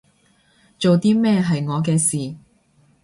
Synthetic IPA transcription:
t͡so˨wt̪iː˥mɛː˥˧ɦɐ˨jŋɔː˨˧k̬ɛː˧siː˨˩

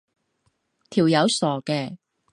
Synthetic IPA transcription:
t̪ʰiː˨˩wjɐ˨˧wsɔː˨˩kɛː˧

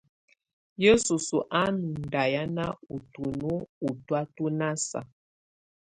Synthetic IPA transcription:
je˦su˨su˨ʔa˦nu˨n˨da˨ja˦na˦u˨tu˨nu˦u˨twa˦tu˦na˦sa̰˨

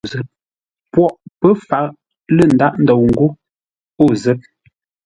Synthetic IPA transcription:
zə˨˦p̚ | pwɔ˦ʔpə˦fa˨˦˨ | lə˦˨n̩˨da˦ʔn̩˨dɔ˨wŋ̩˨ɡu˦ | o˦˨zə˦p̚

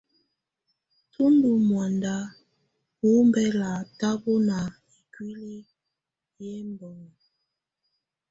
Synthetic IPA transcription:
tʰu˦ndu˨mwa˨nda˦ | wu˦m˦bɛ˦la˨ta˦bu˦na˨ | i˨kwi˦li˦ | jɛ˦mbɔ˨ŋ˨

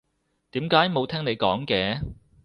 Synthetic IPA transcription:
t̪iː˨˥mkaː˨˥jmo˨˧wt̪ʰɛː˥ŋne˨˧jkɔː˨˥ŋkɛː˧˥

